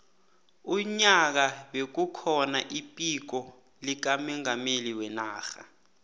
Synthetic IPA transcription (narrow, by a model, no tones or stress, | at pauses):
uɲak̬aɓek̬ukʰɔnaʔipʼik̬ɔ | lik̬amiŋameliwɛnaːxa̰